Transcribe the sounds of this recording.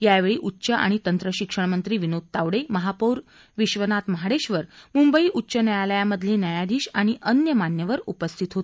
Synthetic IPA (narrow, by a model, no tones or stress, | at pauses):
jaʋeɭiːʔutːɕəʔa̰ɽ̃it̪ənt̪ɾəɕikʂəɳmənt̪ɾiːʋinod̪̚t̪aʋɽeməɦapoɾ | ʋiɕʋənat̪məɦaɽeɕʋəɾmumbəiːʔutːɕənəjaləjaməd̪ʱleːnjəjad̪iːɕaɽ̃iʔənjəmanjəʋəɾupəst̪ʰit̪ɦot̪